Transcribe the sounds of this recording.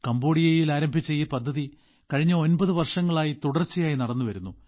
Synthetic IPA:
kɐmbo̞ːɽijɐjilaːɾɐmbʱit͡ɕːɐjiːpɐd̪ʱːɐði | kɐɻiɲːɐo̞nbɐðɨʋɐrʂɐŋːɐɭaːjit̪uɽɐrt͡ɕːijaːjinɐɽɐnːuʋɐɾunːu

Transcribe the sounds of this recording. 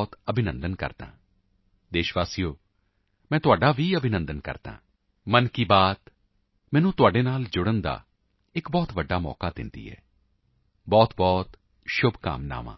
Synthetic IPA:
t̪əbʱɪnə̃nd̪ənkə̰ɾt̪ã̰ː | d̪eːʃʋaːsijoː | mɛ̃ːt̪ʊaːɖaːʋiːəbʱɪnənd̪ənkə̰ɾt̪ã̰ː | mənkiːbaːt̪ | mɛːnũːt̪ʊaːɖeːnaːld͡ʒʊɽənd̪a̰ː | ɪkbɔːt̪ʋəɖːaːmɔ̰ːkaːd̪ɪ̰nd̪ḭːɦɛ̰ː | bɔːt̪bɔːt̪ | ʃʊbʱka̰ːmna̰ːʋã̰ː

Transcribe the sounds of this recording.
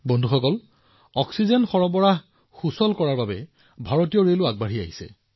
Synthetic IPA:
bɔndʱuxɔkɔl | ɔksizɛnxɔɹɔbɔɹaɦ | xusɔlkɔɹaɹbabɛ | bʱaɹotijɔɹelʊaɡ̚baɹiaɦisɛ̰

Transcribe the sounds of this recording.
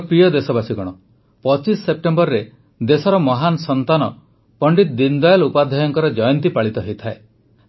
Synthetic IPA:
pɾijɔd̪esɔbasiɡɔɽ̃ɔ | pɔt͡ʃisːep̚ʈembɔɾɾe | d̪esɔɾɔmɔɦanɔsɔnt̪anɔ | pɔɳɖit̪d̪ind̪ɔjɔlupad̪ʱɔjɔŋkɔɾɔd͡ʒɔjɔnt̪ipaɭit̪ɔɦejt̪ʰae

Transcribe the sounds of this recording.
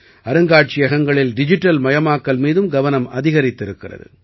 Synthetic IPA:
ɐɾɯŋɡaːʈ̚t͡ʃɪjɐɣɐŋɡɐɭɪlɖɪd͡ʒɪʈːɐlmɐjɐmaːkːɐlmiːðɯmɡɐʋɐnɐmɐðɪɣɐɾɪt̪ːɪɾɯkːɪrɐ̰ðɯ̰

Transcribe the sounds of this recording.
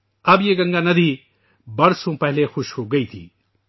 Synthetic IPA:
ɐbjeːɡɐ̃ŋɡaːnɐd̪ʱiː | bɐɾsõːpɐɦɪlexʊʃhoːɡɐiːt̪ʰḭː

